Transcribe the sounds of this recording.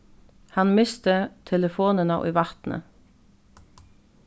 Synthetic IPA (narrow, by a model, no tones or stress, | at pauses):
hɑnmɪst̪ət̪ʰɛləfoːnənɑ̰ʔḭːʋɑt̪n̩ʔə̰